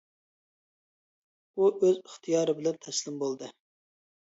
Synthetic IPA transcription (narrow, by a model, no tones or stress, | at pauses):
uʔøzəχt̪ʰijɑːɾɨbɪlɛnt̪ʰɛslɪmbolˠd̪ɨ